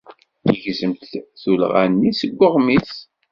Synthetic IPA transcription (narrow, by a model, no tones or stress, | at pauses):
əʝzəmt̪θul̰ʁæ̰nːisəɡʷːəʁmiθ